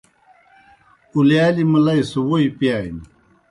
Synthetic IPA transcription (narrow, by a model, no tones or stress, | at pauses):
uljaːlimɐlɐjsuwoipijaːjni